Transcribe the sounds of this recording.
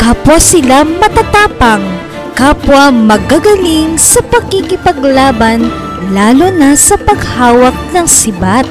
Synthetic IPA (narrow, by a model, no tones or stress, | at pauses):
kaːpwɐsɪlamɐt̪at̪aːpɐŋ | kaːpwɐmɐɡ̚aɡɐliŋsɐpɐɡikɪpɐɡlaːbɐn | laːlonɐsɐpɐɡ̚haːwɐk̚nɐŋsɪbat̪̚